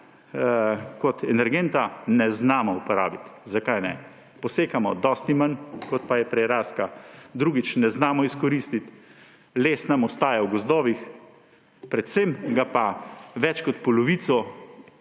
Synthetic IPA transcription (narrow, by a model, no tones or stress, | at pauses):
kɔt̪ɛnɛɾɡent̪anɛznaːmɔupɔɾaːbit̪zakajnɛ̰ | pɔseːkamɔd̪ɔst̪nimankɔt̪pajɛpɾɛjɾaːskad̪ɾuːɡit͡ʃnɛznaːmɔiskɔɾiːst̪it̪ | leːsnamɔst̪aːjawɡɔzd̪ɔːʋix | pɾɛt̪semɡapaʋɛt͡ʃkɔt̪pɔlɔʋiːt̪sɔ